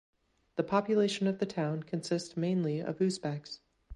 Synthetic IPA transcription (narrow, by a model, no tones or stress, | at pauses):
ðɨpʰɑpjɨleɪʃɨ̃nʌvðɨtʰãʊ̃nkʰɨ̃nsɪstmẽɪ̃nliʌ̰v̥ʉsb̥æks